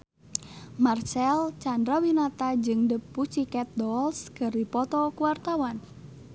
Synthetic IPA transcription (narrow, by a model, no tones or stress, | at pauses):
mart͡ʃɛlt͡ʃandɾawinat̪ad͡ʒɨŋdəpːut͡ʃikɛt̪̚dɔlskərdipɔt̪ɔkuwart̪awan